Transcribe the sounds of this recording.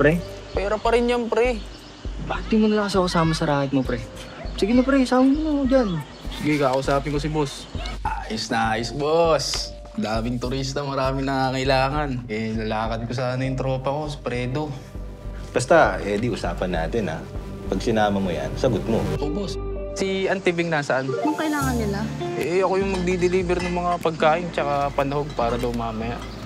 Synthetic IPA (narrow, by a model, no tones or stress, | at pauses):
pɾɛpɛːɾopɐɾɪnjɐŋpɾɛ | baːt̪ɪmʊnɐlaŋkɐs̬ɐkɐsaːmɐsɐɾaːkɐt̪̚mopɾɛ | sɪɡɪnopɾɛsaːɪŋʊnod͡ʒan | sɪɡɪkaːkɐʔʊsaːpɪnko̞s̬ɪbos | ʔaːjɪsnɐaːjɪsbos | d̪aːmɪŋt̪ʊɾist̪ɐmɐɾaːmɪnɐŋaːkɐʔɪlaːŋɐnɛlɐlaːkɐd̪̚kos̬aːnɐjʊŋt̪ɾo̞ːpɐko̞s̬ɐ̥pɾɛːd̪o̞ | b̥ɐst̪ɐɛːd̪ɪʔʊsaːpɐnːa̰ːt̪ɪnɐ̰ | pɐɡ̚sɪnaːmɐmoja̰nsɐɡot̪̚mo̰ʔobossiʔɐnt̪ɪbɪŋnaːsɐʔanjʊŋkɐɪlaːŋɐnːɪlaʔɛɐkojʊŋmɐɡ̚d̪id̪ɪliːbɛɾnɐŋmɐŋapɐɡ̚kaːʔɪnt͡ʃɐkapɐnɐho̞ɡ̚paːɾɐd̪ɐwŋmaːmɐjaʔ